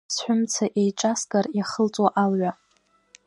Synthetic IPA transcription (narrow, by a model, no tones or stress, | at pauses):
sħʷᶣʊmt͡sʰaʔejʈ͡ʂʼasɡarjaχəlt͡sʼwaʔalʕʷa